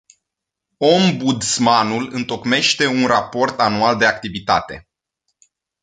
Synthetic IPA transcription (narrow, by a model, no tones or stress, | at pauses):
o̞mbud̪smanulɨnt̪o̞kme̞ʃt̪e̞unrapo̞rt̪anuald̪e̞ak̚t̪ivit̪at̪e̞̰